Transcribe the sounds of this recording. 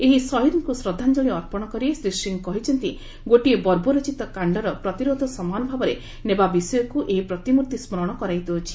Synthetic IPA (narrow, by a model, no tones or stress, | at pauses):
eɦisɔɦiɾiŋkusɾɔd̪ʱːand͡ʒɔɭiɔɾpɔɽ̃ɔkɔɾiesɾisiŋkɔɦit͡ʃʰɔnt̪i | ɡoʈiebɔɾboɾɔt͡ʃit̪ɔkaɳɖɔɾɔpɾɔt̪iɾod̪ʱɔsɔmanɔbʱabɔɾe | nebabisɔjɔkuʔeɦipɾɔt̪imuɾt̪ismɔɾɔɽ̃ɔkɔɾajt̪uɔt͡ʃʰi̥